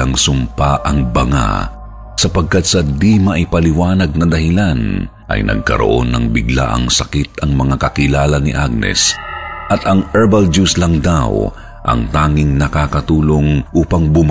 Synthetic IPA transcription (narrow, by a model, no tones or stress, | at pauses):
ɐŋsʊmpaʔɐŋbɐŋa̰ | sɐpɐɡ̚kat̪̚sɐd̪imɐʔɪpɐlɪwaːnɐɡ̚nɐd̪ɐhɪlan | ʔɐ̰jnʔɐ̰ɡ̚kɐ̰ɾo̰ʔo̞̰nːɐŋbɪɡla̰ʔɐ̰ŋsɐkit̪ɐŋmɐŋakɐkɪlaːlɐnɪʔaɡ̚nɛ̰sʔɐt̪ɐŋɛɹbɐld͡ʒuslɐŋd̪a̰w | ʔɐ̰ŋt̪aːŋɪŋnɐkaːkɐt̪uːlo̞ŋʔuːpɐŋbʊm